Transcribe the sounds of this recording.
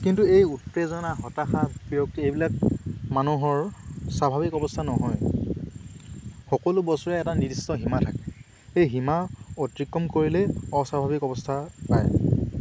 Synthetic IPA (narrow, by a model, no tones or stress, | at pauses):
kintuejutɹezɔnaɦɔtaxapijok̚tiejbilak̚manuɦɔɹsabʱabikɔbɔstʰanɔɦɔj | xɔkɔlʊbɔsɔɹɛɛtanidistɔɦimatʰakɛ | ejɦimaotɹikːɔmkoɹilɛɔsabʱabikɔbɔstʰapa̰j